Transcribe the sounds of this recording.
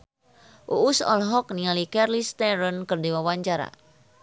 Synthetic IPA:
ʔuʔusɔ̰lɦɔk̚nialikɛrlist̪ɛɾənkɨrdiwawaɲt͡ʃaɾa̰

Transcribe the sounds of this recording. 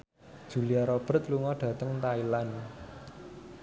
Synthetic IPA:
d̥ʒ̥ṳliaɾɔb̥ə̤t̪̚luŋɔɖ̥ä̤t̪əŋt̪ailan

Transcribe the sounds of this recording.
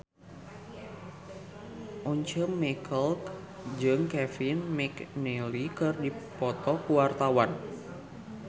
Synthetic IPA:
ʔuɲt͡ʃəmːɛkʰəlk | d͡ʒɨŋkɛfɪnmɛknɛlikɨrdipɔt̪ɔkuwart̪awan

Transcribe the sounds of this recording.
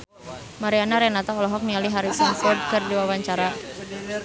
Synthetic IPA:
maɾianaɾɛnat̪aɔlɔɦɔk̚nialiɦaɾisanfɔrd̚kɨrdiwawaɲt͡ʃaɾa

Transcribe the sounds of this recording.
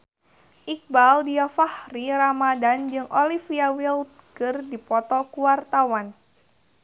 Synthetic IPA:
ʔik̚baldiafahɾiɾamadand͡ʒɨŋʔɔlifiawilt̪̚kɨrdipɔt̪ɔkuwart̪awan

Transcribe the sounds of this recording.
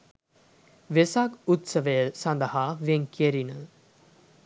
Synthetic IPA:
ʋesakut̪səʋəjəsand̪əhaːʋieŋkeɾinə

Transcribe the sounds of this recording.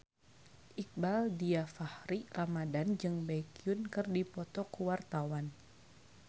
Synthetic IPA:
ʔik̚baldiafahɾiramadand͡ʒɨŋbakiunkɨrdipɔt̪ɔkuwart̪awan

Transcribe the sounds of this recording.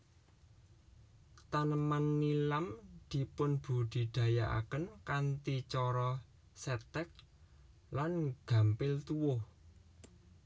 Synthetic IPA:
t̪anəmanːilamd̪̥i̤pʊnb̥ṳd̪̥i̤d̪̥ä̤jaʔa̰kənkant̪it͡ʃɔɾɔ | sɛt̪ɛk̚ | lanɡ̥ä̤mpɪlt̪uwʊh

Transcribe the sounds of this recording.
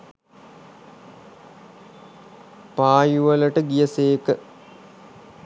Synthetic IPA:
paːjuʋələʈəɡijəseːkə

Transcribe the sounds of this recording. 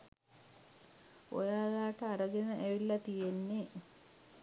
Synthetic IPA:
o̰jaːlaːʈəaɾəɡenəʔeʋilːɐt̪ijenːe

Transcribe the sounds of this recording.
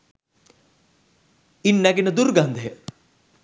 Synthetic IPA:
inːɛɡinɐd̪uɾɡand̪ʱe

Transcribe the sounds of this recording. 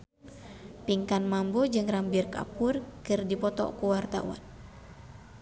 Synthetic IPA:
piŋkanmambɔd͡ʒɨŋrambirka̰purkɨrdipɔt̪ɔ̰kuwart̪a̰wa̰n

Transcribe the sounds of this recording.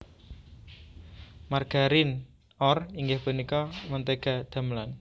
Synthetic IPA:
marɡ̥a̤ɾin | ɔriŋɡehpənikɔmənt̪eɡ̥a̤d̪̥a̤mlan

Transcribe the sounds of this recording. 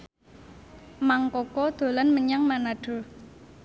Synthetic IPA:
maŋkɔkɔd̪̥o̤lanməɲaŋmanaɖ̥o̤

